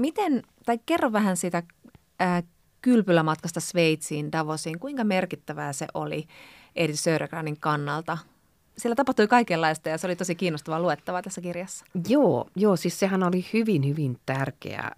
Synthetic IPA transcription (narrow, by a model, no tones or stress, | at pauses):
mit̪en | t̪ɑikkerːoʋʋæhænsiːt̪æ | əː | kylpylːæmɑt̪kɑst̪ɑsʋeit̪siːndɑʋosiːŋkuiŋkɑmerkit̪ːæʋæːsḛʔo̰lḭ | ʔedit̪søːɾʔeɡ̥rɑːniŋkɑnːɑlt̪ɑ | sielːæt̪ɑpɑht̪uikɑikelːɑist̪ɑjɑseolit̪osikiːnːost̪ɑʋɑluet̪ːɑʋɑt̪æsːækirjɑsːɑ̥joːjoːsissehænolihyʋinhyʋint̪ærkḛæ̰